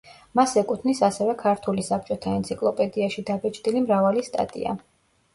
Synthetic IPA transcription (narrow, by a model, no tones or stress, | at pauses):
masɛkʼut̪ʰnisasɛvɛkʰaɾt̪ʰulisap̚ʰt͡ʃʼɔt̪ʰaɛnt̪sʰikʼlˠɔpʼɛd̪iaʃid̪abɛt͡ʃʼd̪ilimɾavalist̪ʼa̰t̪ʼḭa̰